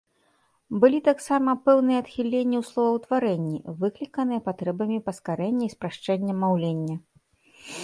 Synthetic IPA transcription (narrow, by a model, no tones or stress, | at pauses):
bɨlʲit̪aksamɐpɛwnɨjɐːt̪xʲilʲenʲːiwslˠɔvɐwt̪vaɾɛnʲːḭvɨklʲikɐnɨjɐpat̪ɾɛbɐmʲipɐskaɾɛnʲːɐispɾaʂt͡ʂɛnʲːɐmːawlʲenʲːɐ